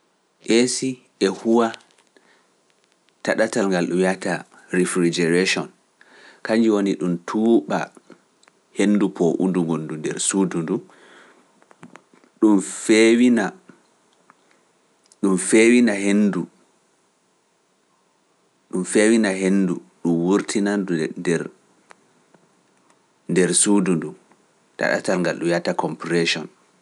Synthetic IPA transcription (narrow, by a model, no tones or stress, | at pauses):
ʔesi | ʔɛhuwa | taɗatalŋɡalɗumiata | ɾifɾid͡ʒɛɾeʃɔn | kaɲd͡ʒiwoniɗumtʰuːɓa̰ | henːdupʰɔʔṵnduŋɡondundɛ̰ɾsuːdundum | ɗumfewina | ɗumfewinahendu | ɗumfewinaɦenːduɗumwuɾtʰinanduɛɾ | ndɛɾsudundum | ta̰ɗa̰talŋɡalɗumjatakʰɔmpɾɛʃɔn